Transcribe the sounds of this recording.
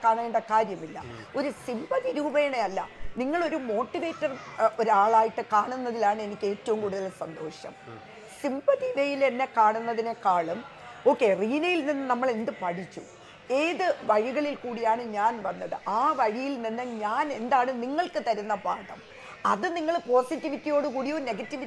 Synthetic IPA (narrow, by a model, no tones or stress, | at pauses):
kaːɳaːjiɳɖɐkaːɾjɐmilːɐ̰o̞ɾusimbɐt̪iɾuːbe̞ːɳeɐlːɐniŋːɐɭo̞ɾumo̞ːʈːiʋe̞ːtːɐro̞ɾaːɭaːjiʈːɨkaːɳunːɐðilaːɳɨe̞nikʲːe̞ːtːɐʋumkuːɽuðɐlsɐnd̪o̞ːɕɐ̰m | simbɐt̪iʋejile̞nːe̞kaːɳunːɐðinekːaːɭum | o̞ːkːe̞riːnɐjilninːɨnɐmːɐɭend̪ɨpɐʈʰit͡ɕːu | eːðɨʋɐɻiɣɐɭilkuːɽijaːɳɨɲaːnʋɐnːɐðɨʔaːʋɐɻijilninːɨɲaːne̞nd̪aːɳɨniŋːɐɭkɨt̪ɐɾunːɐpaːʈɐm | ɐðɨniŋːɐɭpo̞ːsitːiʋitːijo̞ːɽɨkuːɽijone̞ɡɐtːiʋi